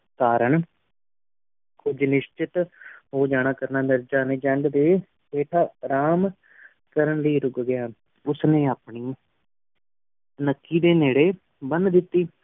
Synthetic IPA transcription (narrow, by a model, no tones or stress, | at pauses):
kaːɾəɳ | kʊd͡ʒnɪʃt͡ʃɪt̪ɦoːd͡ʒaːɽ̃aːkəɾnaːnəɾd͡ʒaːnẽːd͡ʒɛ̃ɳɡd̪eː | peːʈʰaːɾaːm | kəɾəɳləiːɾʊɡɡɪjaː | ʊsnẽːaːpɳiː | nəkːiːd̪eːneːɽeː | bənd̪ɪt̪ːiː